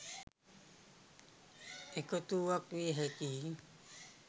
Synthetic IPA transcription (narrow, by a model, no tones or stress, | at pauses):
ekot̪uːakuiɦekii